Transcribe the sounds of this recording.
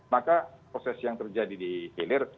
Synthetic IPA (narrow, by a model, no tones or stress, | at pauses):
makapɾosɛsjaŋt̪ərd͡ʒadidifilɪr